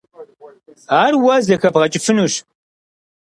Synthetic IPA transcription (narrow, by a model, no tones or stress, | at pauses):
aːrwɐzɐxɐbʁɐt͡ʃʼɪfɨnuʃ